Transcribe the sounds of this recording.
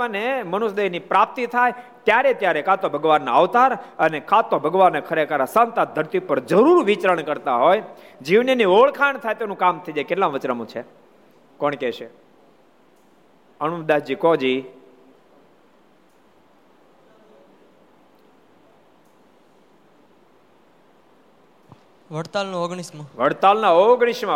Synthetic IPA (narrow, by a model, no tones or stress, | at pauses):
anemənusd̪eɦnipɾap̚t̪it̪ʰaj | t̪jaɾet̪jaɾekat̪obʱəɡʋanːaʋt̪aɾənekʰat̪obʱəɡʋanːekʰəɾekəɾasant̪ad̪ʱəɾt̪ipəɾd͡ʒəɾuɾʋit͡ʃɾəɳkəɾt̪aɦoj | d͡ʒiʋninioɭkʰaɳt̪ʰajt̪enũkamt̪ʰəid͡ʒakeʈlãʋət͡ʃɾəmũt͡ʃʰe | kɔɳkɛʃe | əñumd̪ad͡ʒikɔd͡ʒi | ʋəɽt̪alnooɡɳ̃iʃmãʋəɽt̪alnaoɡɳ̃iʃmã